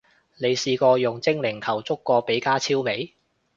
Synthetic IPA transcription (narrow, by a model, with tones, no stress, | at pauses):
ne˨˧jsiː˧kɔː˧jʊ˨˩ŋt͡sɪ˥ŋlɪ˨˩ŋt̪ʰɐ˨˩wt͡sʊ˥kːɔː˧pe˨˥jkaː˥t͡sʰiː˥wme˨˥j